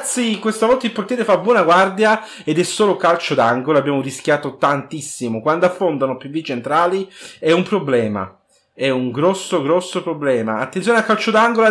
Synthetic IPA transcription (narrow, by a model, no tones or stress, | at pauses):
t̪sːikwest̪avɔlt̪ailport̪jeːɾefabːwɔːnaɡward̪ja | ed̪ɛsːoːlokalt͡ʃod̪aŋɡolabːjaːmoriskjaːt̪ot̪ant̪isːimokwand̪oafːond̪anopevːit͡ʃent̪ɾaːliɛumpɾoblɛːma̰ | ɛuŋɡɾɔsːoɡɾɔsːopɾoblɛːma̰at̪ːensjoːneakːalt͡ʃod̪aŋɡola